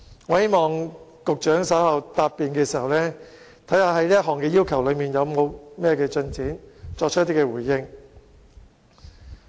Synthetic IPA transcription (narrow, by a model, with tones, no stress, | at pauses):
ŋɔː˨˧he˥jmɔː˨ŋkʊ˨k̚t͡ʃœː˨˥ŋsɐ˨˥hɐ˨wt̪aː˧p̚pːiː˨nkɛː˧siː˨˩hɐ˨wlɛː˥ | t̪ʰɐ˨˥jhaː˧ɦɐ˨˥jliː˥jɐ˥t̚ɦɔː˨˩ŋkɛː˧jiː˥wkʰɐ˨˩wlɵ˨˧ɥmiː˨˩njɐ˨˧wmo˨˧wmɛː˥kɛː˧t͡ʃɵ˧nt͡siː˨˥nt͡ʃɔː˧k̚ʰt̪ːiː˥kɛː˧wuː˨˩jjɪ˧ŋ